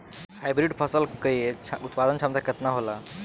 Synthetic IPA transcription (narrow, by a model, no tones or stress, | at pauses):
hajbɾiɖpʰəsəlkəieut̪pad̪ənt͡ʃʰamt̪aket̪naɦola